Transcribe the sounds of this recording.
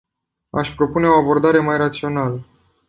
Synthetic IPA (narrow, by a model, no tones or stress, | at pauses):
a̰ʃʲpɾo̞pune̞o̞abo̞rd̪aɾe̞majrat̪sio̞nalə